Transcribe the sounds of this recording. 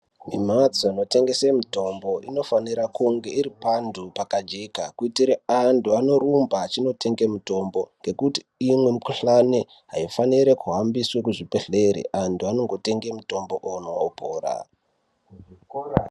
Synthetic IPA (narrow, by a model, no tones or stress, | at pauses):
mim̤at͡soano̞te̞ŋɡe̞semito̞mbo̞ino̞faniɾakuŋɡe̞iɾipandupakad͡ʒekakuitiɾeantʰuano̞ɾumbat͡ʃino̞te̞ŋɡe̞muto̞mbo̞ŋɡe̞kutiːmwe̞mukuɬane | ɦaifaniɾekuɦambiswekuʐipeɬeɾḛʔantʰuano̞ŋɡo̞te̞ŋɡe̞muto̞mbo̞ʔonoopʰo̰ːɾa̰